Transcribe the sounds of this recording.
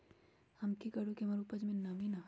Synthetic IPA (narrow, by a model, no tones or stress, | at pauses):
hɐmkikɐɾukemɐɾupəd͡ʒmẽnɐʋina